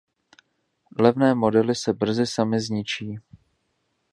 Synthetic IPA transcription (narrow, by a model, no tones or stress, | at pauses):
lɛvnɛːmo̞dɛlɪsɛbr̩zɪsamɪzɲɪt͡ʃiː